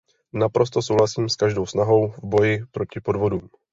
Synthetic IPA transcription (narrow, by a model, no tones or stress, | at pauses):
napɾʔo̞st̪o̞sowɦlasiːmskaʒdo̞wsnaɦo̞wvbo̞jɪpɾo̞cɪpo̞dvo̞duːm